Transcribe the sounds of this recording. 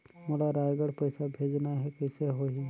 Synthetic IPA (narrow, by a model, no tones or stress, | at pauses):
molaɾaːjɡəɽpɐɪsabʱeːd͡ʒnaɦɛkɛɪseɦoɦi